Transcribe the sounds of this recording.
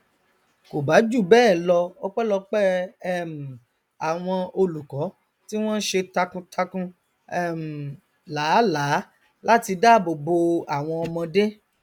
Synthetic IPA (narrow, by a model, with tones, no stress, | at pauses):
ko˨ba˨˦d͡ʒu˦˨bɛː˦˨lɔ˧ɔ˦k͡pɛ˦lɔ˧k͡pɛ˦ɛ˦˨m̩˨ | a˨w̃ɔ̃˧o˧lu˨kɔ˨˦ | ti˦w̃ɔ̃˦n̩˦ʃe˧ta˧kũ˧tʰa˧kũ˧ | ɛ˦m̩˨ | laː˨˦laː˨˦ | la˦ti˧da˦˨bo˨bo˧a˨w̃ɔ̃˧ɔ˧mɔ̃˧de˦